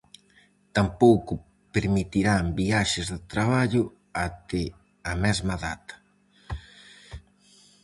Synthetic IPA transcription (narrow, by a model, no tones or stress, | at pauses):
t̪ampowkʊ | peɾmit̪iɾambiaʃɪzðɪt̪ɾaβ̞aʎʊ | at̪ɪ | amɛzmaðat̪ɐ̥